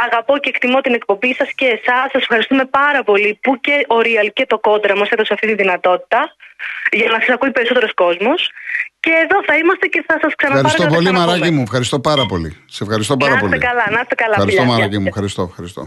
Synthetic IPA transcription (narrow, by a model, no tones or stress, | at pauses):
ɐɣɐpo̞ceːkt̪imo̞t̪ine̞k̚po̞mbisɐsce̞ːsɐsːɐse̞fxɐɾist̪ume̞pɐɾɐpo̞lipuce̞ʔoɾiɐlce̞t̪o̞ko̞d̪ɾɐmoset̪oseɐft̪it̪inðinɐt̪o̞t̪i̥t̪ɐ | ʝɐnɐsɐsɐkuipe̞ɾisot̪eɾo̞sko̞zmo̞sce̞ːðo̞θɐimɐst̪ece̞θɐsɐsksɐnɐɐɾiɐsɐt̪opolimɐɾɐcimuefxɐɾist̪o̞pɐɾɐpo̞lḭssɐsefxɐɾist̪opɐɾɐsolt̪ḛkɐlɐnɐst̪ekɐlɐɐɾisʎomɐɾɐcimuefxɐɾist̪oefxɐɾist̪o̰